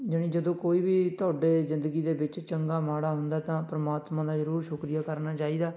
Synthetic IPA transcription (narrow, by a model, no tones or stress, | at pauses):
d͡ʒəɽ̃ĩːd͡ʒəd̪õːkoːiːbiːt̪ʊaːɖeːzɪ̃nd̪əɡiːd̪eːbɪt͡ʃt͡ʃəŋɡaːmaːɽaːɦʊnd̪aːt̪ãːpɾəmaːt̪mãːd̪aːzəɾuːɾʃʊkɾijaːkəɾnaːt͡ʃaːiːd̪aː